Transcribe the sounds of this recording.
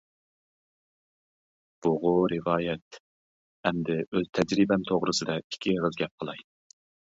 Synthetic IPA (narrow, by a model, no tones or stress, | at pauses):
b̥ʊʁʊɾɨvɑːjɛt̪ | ɛmd̪ɪøzt̪ʰɛd͡ʒɾibɛnt̪ʰoʁɾɨsɨd̪ɑi̥kʲʰiʁəzɡʲɛp̚qʰəlˠɑj